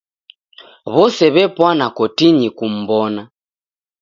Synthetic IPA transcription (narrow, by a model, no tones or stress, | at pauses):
βɔsɛβɛpwanakɔtiɲikum̩bɔna